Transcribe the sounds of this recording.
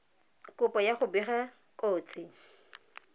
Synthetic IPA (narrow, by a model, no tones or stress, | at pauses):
kʼʊpʼɔjaχʊbiχakʼoːt͡sʼɪ